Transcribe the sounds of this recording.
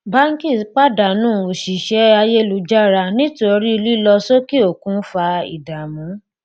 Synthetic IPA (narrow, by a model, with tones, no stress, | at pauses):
ba˦ŋ̩˦ki˦˨k͡pa˦da˨nũː˦˨o˨ʃi˨ʃɛ˦a˧je˦lu˧˦d͡ʒa˦ɾa˧nĩ˦to˧ɾi˦˧li˦lɔ˧so˦ki˦o˦˨kũ˨˦fa˧ḭ˨da˨mũ˨˦